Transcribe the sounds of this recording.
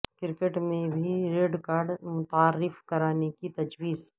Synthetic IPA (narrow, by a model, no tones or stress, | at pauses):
kɪɾkeʈmẽbʱiɾeːɖkaːɾɖmʊt̪aːɾɪfkɐɾaːnekit̪ɐd͡ʒwiːz